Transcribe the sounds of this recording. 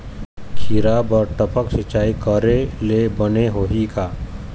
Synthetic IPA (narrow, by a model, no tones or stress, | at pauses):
kʰiɾaːbɔːɾʈ̪əpəksɪt͡ʃaːikəɾelebəneɦoːɦikaː